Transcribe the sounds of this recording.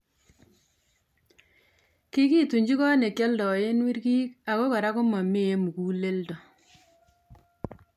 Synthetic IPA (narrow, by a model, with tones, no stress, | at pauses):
ki˦ki˦tu˨ɲd͡ʒi˦kɔ˦ne˨kjɔ˦ldɔ˨e˦nwi˦ɾkiː˦ka˨ko˦ka˨ɾa˦ko˦mɔ˨mi˦e˦mu˨ku˦le˦ldo˨